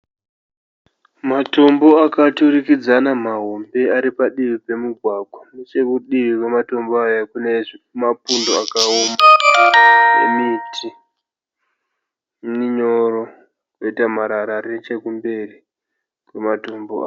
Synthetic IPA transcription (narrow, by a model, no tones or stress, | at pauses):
mato̞mbo̞akaturikid͡zanamaɦo̞mbe̞aɾipaɗiʋipe̞muɡʱwaɡʱwanet͡ʃe̞kuɗiʋikwemato̞mboajakunemapundo̞akaoma | emitʰi | niɲoɾo | koitamaɾaɾaɾet͡ʃekumbe̞ri | kwemato̞mboa̰ː